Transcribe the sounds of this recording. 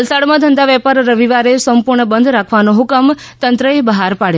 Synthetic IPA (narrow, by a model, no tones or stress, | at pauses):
əlsaɽmãd̪ʱənd̪aʋɛpaɾːəʋiʋaɾesəmpuɾɳəbənd̪ʱɾakʰʋanoɦʊkəm | t̪ənt̪ɾəebəɦaɾpaɽ